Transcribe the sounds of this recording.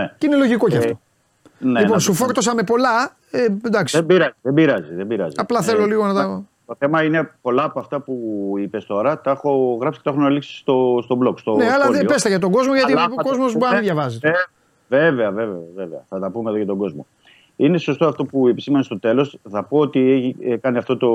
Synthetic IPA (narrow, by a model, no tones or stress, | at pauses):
neine̞loʝiko̞ceɐft̪o | neliponsufo̞ɾt̪o̞sɐme̞po̞lɐ | ed̪ɐksi̥ebiɾɐziðembiɾɐziðebiɾɐ̰ziɐplɐθelo̞liɣonɐt̪ | t̪oθe̞mɐine̞po̞lɐːpoɐft̪ɐpuipest̪o̞ɾɐt̪ɐexo̞ɣɾɐpsi̥e̥t̪xonɐliksi̥st̪ost̪oblo̞kst̪oneɐlɐðepe̞st̪eʝɐt̪̬o̞ɡo̞zmoʝɐt̪ikozmosbɐðʝɐvɐzie | veveɐve̞veɐveveɐθɐt̪ɐpume̞ðojɐt̪o̞ɡo̞zmo | ine̞so̞st̪oɐft̪o̞puepi̥simenest̪o̞t̪e̞lo̞sθɐpoot̪ieçikɐniɐft̪o̞t̪o̞